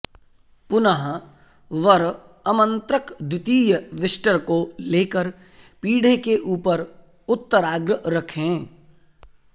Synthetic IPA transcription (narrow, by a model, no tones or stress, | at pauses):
pʊnəɦ | ʋəɾ | ɐmə̃nt̪ɾəkd̪ʱɪt̪iːjəʋɪsʈəɾkoleːkəɾ | piːɽekeʔuːpəɾ | ʊt̪ːəɾaːɡɾəɾɐkʰẽː